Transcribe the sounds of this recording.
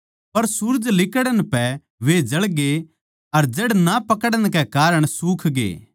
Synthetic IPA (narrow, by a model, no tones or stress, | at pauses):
pɐɾsuɾd͡ʒlɪkəɽənpɛ | ʋed͡ʒɐɭɡe | ɐɾd͡ʒeːɽnapɐkəɽəɽ̃kekaːɾəɽ̃suːkʰɡḛː